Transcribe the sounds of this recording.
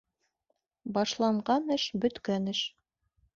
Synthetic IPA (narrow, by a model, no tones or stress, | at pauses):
bɑʃlˠɑɴɢɑnɘʃbɵ̆t̪kænɘʃ